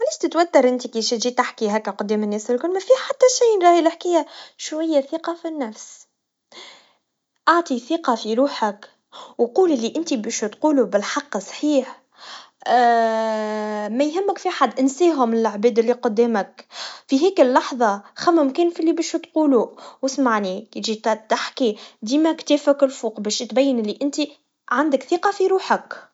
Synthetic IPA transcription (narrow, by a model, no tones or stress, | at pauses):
alæːʃt̪ət̪wæt̪ːɑɾˤʔɪnt̪ikiʃt̪ʒit̪aħkiɦæːkːæqʊd̪ːɛːmɪnːɛːsɪlkʊlmæfiːħat̪ːæʃiːnɾˤɑːhiləħkɪjːæʃwæjːæθiːqɑfinːæfs | ʔɑʕt̪ˤiθiːqɑfiɾuːħak | wquːlɪlːiʔɪnt̪ibæʃt̪quːlubɪlħɑqːsˤħiːħ | mæjɦɪmːəkfiʔaħad̪ʔɪnsiːɦʊmɪlʕbɛːd̪ɪlːiqʊd̪ːɛːməkfiɦɛːkəlːɑħðˤɑxæmæmkɛːnfilːibɛːʃt̪quːluwəsmaʕnikt̪ʒit̪t̪aħkid̪iːmækt̪ɛːfəkɪlfuːqbɛːʃt̪bæjːənɪlːiʔɪnt̪i | ʕand̪əkθiːqɑfiɾuːħək